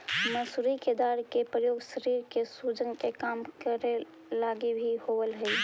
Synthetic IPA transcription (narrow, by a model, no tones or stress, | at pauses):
məsuɾiked̪aːɾkepɾəjoːɡʃəɾiːɾkesuːd͡ʒənkekaːmkəɾe | laːɡibʱihowəlɦɛi